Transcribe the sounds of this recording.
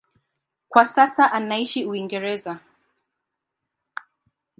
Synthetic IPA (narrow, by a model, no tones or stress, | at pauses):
kwasasaʔanaiʃiuiŋɡɛɾɛza